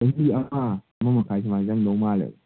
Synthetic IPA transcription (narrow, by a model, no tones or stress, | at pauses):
ahiama | mːamakad͡ʒimazandomala̰